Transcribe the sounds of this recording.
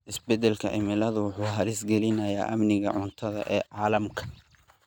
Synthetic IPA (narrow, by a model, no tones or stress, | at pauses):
ʔɪsbɛd̪ɛlkʰɐ̰ʔɪ̰mɪlɐðʊwʊħuːɦɐɾɪsɡɛlɪnɐja̰ːʔɐmnɪɣɐʕʊnt̪ʰɐðɐ̰ʔɛːʕɑːlɐmkʰɐ̥